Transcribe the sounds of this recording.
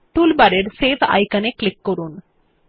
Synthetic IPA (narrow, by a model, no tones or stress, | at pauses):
ʈuːlbɐɾeɾseːʋɐ̰jkɐneklikːoɾuːn